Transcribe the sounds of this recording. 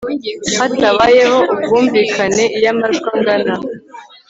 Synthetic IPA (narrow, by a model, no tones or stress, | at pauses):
hataβajeɦo̞ʔub̚ɡuːɱviːkʰane̞jamaʒɡaŋɡana